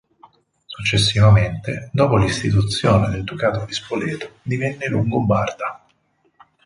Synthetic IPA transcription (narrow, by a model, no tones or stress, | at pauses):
sut͡ʃːesːivament̪ḛd̪ɔːpolist̪it̪̬ut̪sːjoːned̪eld̪ukaːt̪ovispolɛːt̪od̪ivɛnːeluŋɡobard̪a